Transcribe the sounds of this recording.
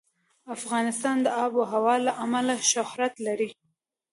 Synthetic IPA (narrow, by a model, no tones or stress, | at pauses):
afɣɑnɪst̪ɑnd̪əɑboɦawɑlaʔamalaʃʊhɾat̪laɾi